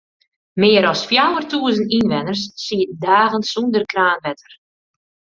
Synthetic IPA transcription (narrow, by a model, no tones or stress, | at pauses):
mɪːəɾɔsfjawərtʰuəzəntinʋɛnərsːiət̚daːɣənsundərkraːnʋɛtər